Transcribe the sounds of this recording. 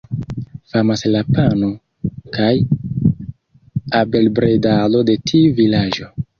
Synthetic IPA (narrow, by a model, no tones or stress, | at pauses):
famaslapano | kaj | abe̞lbɾedalo̞de̞tʰiuvilad͡ʒo̞